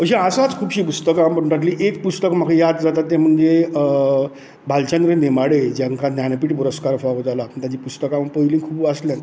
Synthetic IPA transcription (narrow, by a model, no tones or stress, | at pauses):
əɕĩasat͡skʰuːbɕiːpust̪əkambəʈaʈliʔekpust̪əkm̤akʰəjad̪d͡zat̪at̪ːem̤əɳd͡ze | bʱalt͡ɕend̪ɾənemaɽed͡ʑjaŋkanjanpiːʈpuɾəskaɾfaʋəd͡zalaːpəɳt̪jãt͡ɕipust̪əkãməpəiliŋkʰuːbəsljan